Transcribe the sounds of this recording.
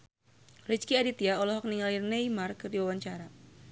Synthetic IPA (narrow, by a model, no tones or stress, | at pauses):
rit͡ʃkiadit̪iaɔlɔɦɔk̚niŋalirneimarkɨrdiwawaɲt͡ʃaɾa